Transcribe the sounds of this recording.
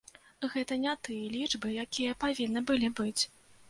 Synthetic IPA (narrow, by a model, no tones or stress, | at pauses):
ɣɛt̪ɐnʲat̪ɨjɐlʲiʐbɨjakʲijɐpavʲinːɨbɨlʲibɨt͡sʲ